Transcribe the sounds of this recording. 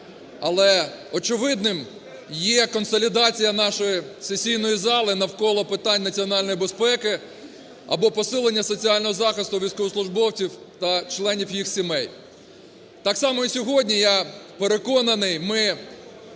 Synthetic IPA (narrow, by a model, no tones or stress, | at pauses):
ɐlˠɛɔt͡ʃɪʋɪd̪nɪm | jɛkɔnsɔlʲid̪ɑt͡sʲijɐnɑʃɔjisesʲijnɔjizɑlˠɪnɐwkɔlˠɔpɪt̪ɑnʲnɐt͡sʲiɔnɑlʲnɔjibespɛkɪ | ɐ̰bɔpɔsɪlˠenʲːɐsɔt͡sʲiɑlʲnɔɦɔzɑxɪst̪ʊʋʲijsʲkɔʋɔslˠʊʒbɔwt͡sʲiwt̪ɐt͡ʃlˠɛnʲiwjixsʲimɛj | t̪ɑksɑmɔisʲɔɦɔdʲnʲijɑpeɾekɔnɐnɪjmɪ